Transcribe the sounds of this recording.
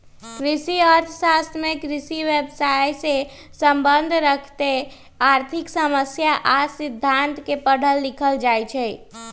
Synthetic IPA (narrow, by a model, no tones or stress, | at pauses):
kɾisiəɾt̪ʰəsast̪mekɾisiʋebsajse | səmbənd̪ʱɾəkʰt̪e | aɾt̪ʰiksəməsjaʔasid̪ʱːant̪kepəɽ̤əlːikʰəld͡ʒajt͡ʃʰɛ